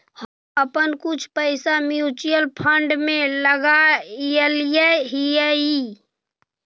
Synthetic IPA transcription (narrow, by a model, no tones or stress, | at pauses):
həm | əpənkut͡ʃʰpəɪsamjut͡ʃijəlpʰəɳɖmẽləɡajəlijɛɦijəi